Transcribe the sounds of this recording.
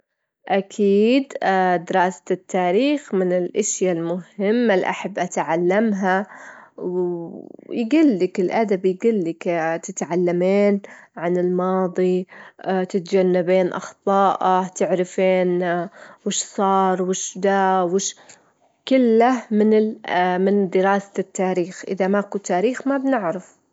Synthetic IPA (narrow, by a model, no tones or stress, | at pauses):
ʔakʰiːd̪d̪ɪɾɑːst̪ːaːɾiːxmɪnɪlʔɪʃjalmʊhɪmːalʔa̰ħabːʔat̪ʕalːamɦaw | jɡɪlːɪkɪlʔad̪abjɪɡɪlːɪkt̪ɪt̪ʕalːameːnʕanɪlmɑːðˤi | t̪ɪt̪d͡ʒanːabeːnʔɑ̰xt̪ˤɑːʔat̪ɪʕɾɪfeːnwɪʃsˤɑːɾˤwɪʃd̪awɪʃ | kɪlːamɪnɪmɪnd̪ɪɾɑːsḁt̪ːaːɾiːxʔɪ̰ðamakut̪ːaːɾiːxmabnɪʕɾaf